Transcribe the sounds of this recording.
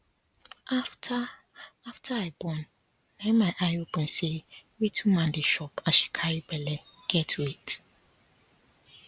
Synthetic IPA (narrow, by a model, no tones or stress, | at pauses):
aftʰa | aftʰaaɪbɔ̃nː | ɛ̃mãʔajopʰũnsewitʰumãndɪʃɔpʰaʃi̥kʰaɾibɛlɛ | ɡ̥ɛtʰwit